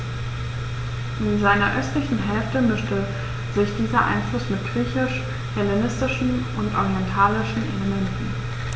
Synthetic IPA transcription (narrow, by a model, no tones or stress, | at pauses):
ʔɪnzaɪnɐʔœstlɪçn̩ɦɛlftəmʏʃtə | zɪçd̥iːzɐʔa̰ɪnflʊsmɪt̚ɡ̥ʁiːçɪʃ | hɛlenɪstɪʃn̩ | ʊntʔɔ̰ʁiɛntʰaːlɪʃn̩ʔḛləmɛntn̩